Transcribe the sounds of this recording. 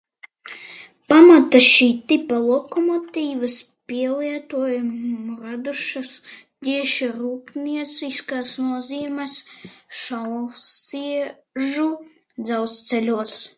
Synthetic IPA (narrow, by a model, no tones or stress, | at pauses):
pamat̪aʃiːt̪ipalˠɔkɔmɔt̪ʲiːvɐs | pʲiɛliɛt̪uɔjumɾad̪uʃas | d̪ʲiɛʃiɾuːpnʲiɛt̪sʲiskaːsnuɔziɛmɛsʃawsiɛ | ʒu | d̪zawst̪sɛlʲuɔs